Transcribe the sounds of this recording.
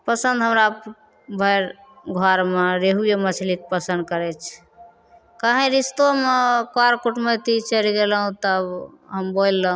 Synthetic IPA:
pəsənd̪ɦəmɾa | bʱəjɾ | ɡʱaɾmeɾeɦujemət͡ʃʰlik̚pəsə̃nd̪̚kəɾɛt͡ʃʰ | kaɦẽɾist̪omekoaɾkuʈmət̪it͡ʃəliɡeləɦũt̪əbɦəmbolːəɦũ

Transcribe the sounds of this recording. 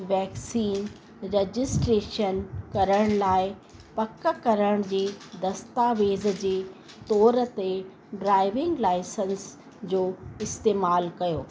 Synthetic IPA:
ʋɛːksiːn | ɾed͡ʑɪsʈɾeːʃənkɐɾəɽ̃laːɪpɐkə̆kɐɾəɽ̃d͡ʑeːd̪ɐst̪aːʋeːz̆d͡ʑeː | t̪ɔːɾət̪e | ɖɾaːɪʋɪ̃ŋɡlaːɪsəns | d͡ʑoːɪst̪eːmaːlkɐjoː

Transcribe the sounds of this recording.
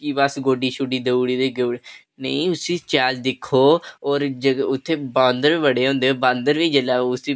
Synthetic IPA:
kiːbəsɡoːɖiːʃʊɖiːd̪əuːɽiːd̪eːɡəɽ | nə̰ĩʊsiːt͡ʃɛːld̪ɪkʰːoːɔːɾd͡ʒəʊt̪ʰːeːbãːnd̪əɾʋəɽeːɦõːnd̪eːoːbãːnd̪əɾʋiːd͡ʒəlaːʊsiː

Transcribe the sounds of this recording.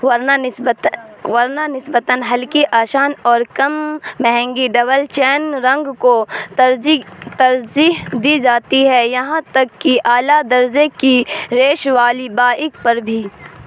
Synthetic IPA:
ɾ | wɐɾnanɪsbət̪ənɦɐlkiʔaːʃaːnɔːɾkɐmːɛɦɛ̃ŋɡiɖɐbəlt͡ʃɛːnɾɐ̃ŋɡkot̪ɐɾd͡ʒit̪ɐɾd͡ʒiɦd̪iːd͡ʒaːt̪iɦɛjɐɦãt̪ɐkːiʔaːlad̪ɐɾd͡ʒekiɾeːʃʋaːlibaːʔɪkpɐɾbʱiː

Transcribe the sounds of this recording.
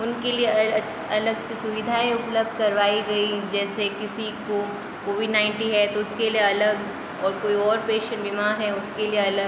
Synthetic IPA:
ʊnkelie | ɐləɡsesʊʋɪd̪ʱaːẽʊpləb̚d̪̚ʱkɐɾʋaːiɡɐid͡ʒɛːsekɪsiko | koːʋɪɖnãɪ̃ɳʈĩɦɛt̪oʊskelieɐləɡ | ɔːɾkoːiɔːɾpeːʃə̃ɳʈbimaːɾɦɛʊskelieɐlə

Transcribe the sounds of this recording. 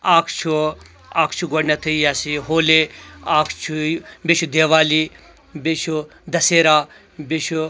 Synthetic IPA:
aːkʰt͡ʃʰu | aːkʰt͡ʃʰuɡɔɖnɐt̪ʰɨjaːsiɦoːleaːkʰt͡ʃʰubeʃʰud̪eːʋaːli | bet͡ʃʰu | d̪ɐseːɾaː | beʃu

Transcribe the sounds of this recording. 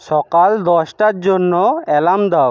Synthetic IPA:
ʃɔkald̪ɔʃʈaɾd͡ʑonːoɛlamd̪ao

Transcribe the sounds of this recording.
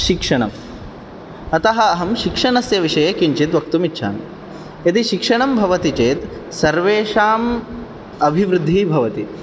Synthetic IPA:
ʃikʂɐɳɐ̰m | ɐt̪ɐɦɐːɦɐmʃikʂɐɳɐsjɐʋiʂɐjɐkiɲt͡ʃit̪ʋɐkt̪umitːʃʰa̰ːn | ɐt̪iʃikʂɐɳɐmbʱɐʋɐt̪it͡ʃeːt̪sɐɾʋeːʃaːm | ɐbʱiʋɾɨd̪ʱːibʱɐʋɐt̪i

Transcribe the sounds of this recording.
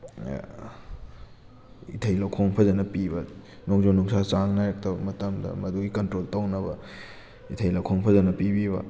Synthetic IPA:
ḭtʰɐjlawkʰoŋpʰɐzɐnɐpibɐ | noŋzonuŋsat͡ʃaŋnajɐk̚tɐbɐmɐtɐmdɐ̰mɐduɡikɐntɾoltɐwnɐbɐ̰ | itʰɐjlɐwkʰoŋpʰɐzɐnɐpibiβɐ̰

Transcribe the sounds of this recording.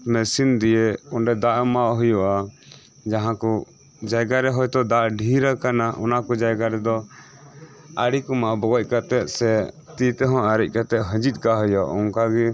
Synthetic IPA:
mɛsind̪ijeɔɳɖɛd̪aʔmaɦɔjɔʔa | d͡ʒaɦãkɔ | d͡ʒaɡaɾɛɦɔjt̪ɔd̪aʔɖʱiɾakanaʔɔ̰nakɔd͡ʒaɡaɾɛd̪ɔ | aɽikɔmaʔbɔɡɔc̚kat̪ɛt̪̚sɛ | t̪it̪ɛɦɔ̃aɾic̚ˀkat̪ɛʔ̪ɦə̃d͡ʒit̪̚ˀkaɦɔjɔʔɔŋkaɡɛ

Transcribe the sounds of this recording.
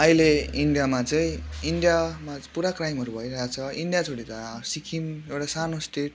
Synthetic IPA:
ʌileiɳɖijamat͡sʌĩiɳɖjamapuɾakrajmɦʌɾubʱʌiɾʌɦat͡sʰʌiɳɖijat͡sʰoɽit̪ʌsikʰimewʈasanosʈeʈ̚

